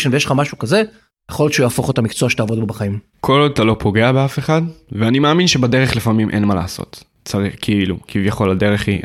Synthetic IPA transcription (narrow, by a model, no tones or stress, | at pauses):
ʃenvejelχamaʃukaze | jeχojoʃeujaːfo̞χot̪amikt͡soaʃet̪aːvo̞d̪bbaχaim | kʰo̞lod̪at̪alo̞pʰo̞ɡe̞abeafe̞χadveanimaːminʃebade̞ʁe̞χlifamimʔenmaleaso̰t̪ | t͡saʁiχkʰiilṵkʰivjaχo̞lade̞ʁeχi